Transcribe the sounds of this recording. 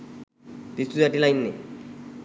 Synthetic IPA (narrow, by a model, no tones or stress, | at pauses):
t̪ist̪uzaʈilajnːḛ